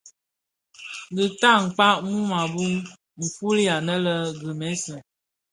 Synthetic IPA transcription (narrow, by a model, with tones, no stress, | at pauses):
də˨ta˦ŋ̩˨k͡pa˦mu˦ma˨bu˦ŋ | m̩˨fu˦li˦a˨nə˦lə˦ɡə˨mɛ˦sə˨